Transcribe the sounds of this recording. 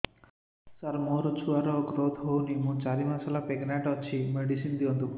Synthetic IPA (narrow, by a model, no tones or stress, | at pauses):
saɾmoɾɔt͡ʃʰuaɾɔɡɾot̪ʰɦownimũt͡ʃaɾimasalapeɡnaʈɔt͡ʃʰimeɖisind̪iɔnt̪u